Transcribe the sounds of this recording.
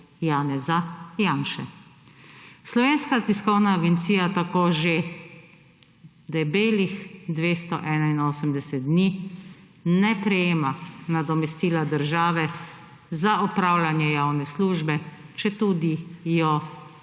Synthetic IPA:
jaːnɛzajaːnʃɛ | slɔʋeːnskat̪iskɔwnaːɡɛnt̪siːjat̪akoːʒe | d̪ɛbeːlixd̪ʋeːst̪ɔʔɛːnainoːsəmd̪ɛsɛt̪̚d̪niː | nɛpɾɛjeːmanad̪ɔmɛst̪iːlad̪əɾʒaːʋɛ | zaʔɔpɾaːwlanjɛjaːwnɛsluːʒbɛt͡ʃɛt̪uːd̪ijɔ

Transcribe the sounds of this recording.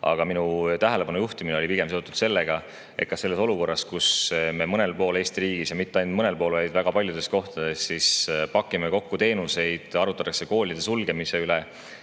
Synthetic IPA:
ɑ̰ɡ̥ɑminut̪æɦele̞pɑnujuht̪imineo̞lipiɡ̥e̞mseot̪ːˑud̪̥se̞lːe̞ɡ̥ɑ | ḛt̪̚kɑse̞lːe̞so̞luko̞rːɑskusme̞mɤne̞lpo̞ːle̞ːst̪iɾiːɡisjɑmit̪ːˑeɑjnd̪mɤnelpo̞ːlvɑjd̪væɡ̥ɑpɑlʲjud̪e̞st̪ko̞ht̪ɑd̪̥e̞stːispɑkːˑimeko̞kːut̪e̞ːnuse̞jd̪̥ɑɾut̪ːˑɑt̪ːˑɑkse̞ko̞ːlʲid̪̥e̞sulɡ̥e̞mise̞yle

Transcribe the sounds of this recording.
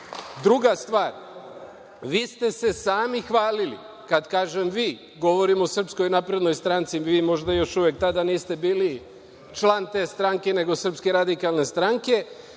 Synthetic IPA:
d̪ɾuɡast̪ʋaːɾ | ʋiːst̪e̞se̞saːmixʋaːlilḭ | kad̪kaːʒemʋiː | ɡo̞ʋo̞ɾimosr̩psko̞jnapɾe̞d̪no̞jst̪ɾant̪siʋiːmo̞ʒd̪ajo̞ʃuʋjek̚t̪ad̪aniːst̪e̞biːli | t͡ʃlˠant̪e̞ːst̪ɾaŋke̞ne̞ɡo̞sər̩pske̞ɾad̪ikalne̞st̪ɾaŋke̞

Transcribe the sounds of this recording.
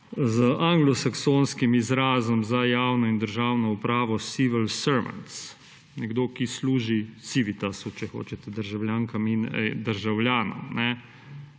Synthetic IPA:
zəʔaŋɡlɔsaksoːnskimizɾaːzɔmzajaːwnɔind̪əɾʒaːwnɔupɾaːʋɔsiʋəlsəɾʋa̰nt̪s | nɛɡd̪oːkisluːʒisiʋit̪asut͡ʃɛxo̰ːt͡ʃɛt̪ɛd̪əɾʒawlʲjaːŋkamind̪əɾʒawljaːnɔ̰mnɛ

